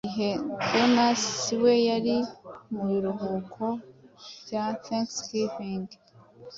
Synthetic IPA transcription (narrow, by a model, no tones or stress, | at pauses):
iɦe̞donasiwe̞jaɾimuiɾuɦuːkʰo̞ | jaθeŋkskipiŋɡ